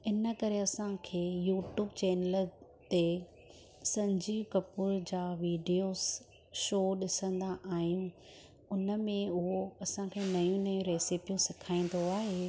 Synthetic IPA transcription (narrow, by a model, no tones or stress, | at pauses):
ɪnə̆kɐɾeɐsãkʰeːjuːʈjuːbt͡ɕɛːnəl | t̪e | sɐ̃ɲd͡ʑiːʋkɐpuɾd͡ʑaːʋiːɖijoːz | ʃoːɗɪsə̃nd̪aʔaːɦijũ | ʊnə̆mẽʊɦoɐsãkʰeːnɐjũnɐjũɾeːsɪpijũsɪkʰaːĩn̆d̪oaːɦeː